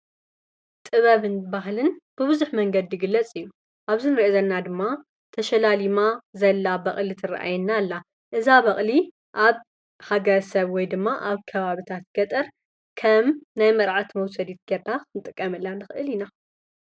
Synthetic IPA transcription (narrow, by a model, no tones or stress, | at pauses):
t̪ʼɨβɐβɨnbaɦlɨnb̥ɨβɨzuħmɐŋɡɐd̪ijɪɡɨlːɐt͡sʼɨjːu | ʔaβzinɨɾiʔezɐlnːad̪ɨmːa | t̪ʰɐʃɐlalimazɐlːabɐχʼlit̪ʰɨra̰ʔa̰jɛnːalːa | ʔɨzaβɐχʼli | ʔaβ | haɡɐɾɐsɐβwɔjd̪ɨmːaʔaβkʰɐβaβit̪ʰat̪ɡ̥ɐt̪ʼɐɾ | kʰɐmnajmɐɾʕat̪mɐwsɐd̪it̪̚ɡetːakɨnɨt̪ʼɨkʼːɐmɨlːanɨxɨʔɨlina